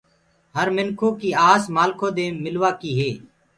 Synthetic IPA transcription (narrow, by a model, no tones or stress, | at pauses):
ɦəɾmɪnkʰoːkiːaːsmaːlkʰõːd̪eːmɪlʋaːkiːɦeː